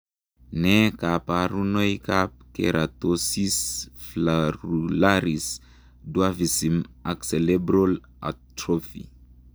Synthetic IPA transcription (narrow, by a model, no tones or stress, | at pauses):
nekapaɾunojkap̚kḛɾʔat̪osisflaɾulaɾis | duavisimakselebɾol | a̰t̪ɾofḭ